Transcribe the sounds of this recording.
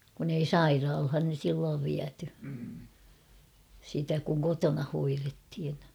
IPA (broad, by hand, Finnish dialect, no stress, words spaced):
kun ei sɑirɑːlhɑn̞ silːoːʋ ʋiæty sitæ kuŋ kotonɑ hoirethin